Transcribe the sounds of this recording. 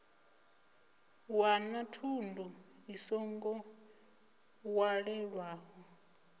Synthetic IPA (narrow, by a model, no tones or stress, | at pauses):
wanatʰundʱuisɔŋɡɔ | waɺɛɺwaːɦɔ